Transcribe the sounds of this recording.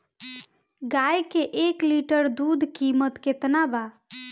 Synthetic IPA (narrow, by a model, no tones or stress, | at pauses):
ɡajkeʔekliʈəɾd̪ud̪ʱkimət̪ket̪naba